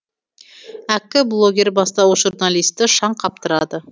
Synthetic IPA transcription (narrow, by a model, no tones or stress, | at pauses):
ækʲːɪblˠo̞ɡʲe̞ɾbɑst̪ɑuʒurnalijst̪ɪʃɑɴqʰɑp̚t̪əɾɑd̪ə